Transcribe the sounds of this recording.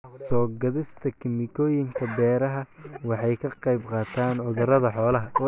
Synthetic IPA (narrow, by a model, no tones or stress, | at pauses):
sɔːɡɐðɪst̪ʰɐkʰɪmɪkʰɔːjɪŋkʰɐbɛːɾɐɦɐwɑħɑjkʰɐqɑjbqɑːt̪ʰaːnʕʊðʊɾɐðɐħɔːlɐɦɐɔ